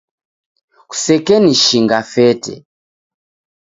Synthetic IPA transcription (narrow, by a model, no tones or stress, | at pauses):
ku̥sɛkɛniʃiŋɡafɛtɛ̰